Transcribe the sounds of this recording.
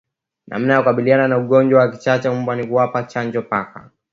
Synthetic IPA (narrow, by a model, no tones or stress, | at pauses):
na̰m̩najakukaɓiliananauɠɔɲd͡ʒwawakit͡ʃat͡ʃɛumbwanikuwapat͡ʃaɲd͡ʒɔpaka̰